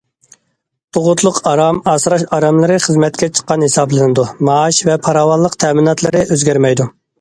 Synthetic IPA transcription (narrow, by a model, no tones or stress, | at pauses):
t̪ʰoʁʊt̪ʰlˠʊqʰɑɾɑmɑːsɨɾɑʃɑɾɑmlˠɨɾɨχəzmɛt̪̚kʲɛt͡ʃʰə̥qːɑnhesɑblˠɨnɨd̪umɑɑʃvɛpʰɑɾɑːwɑllˠːəqt̪ʰɛːmɨnɑt̪ʰlˠɨɾɨʔøzɡʲæɾmɛjd̪u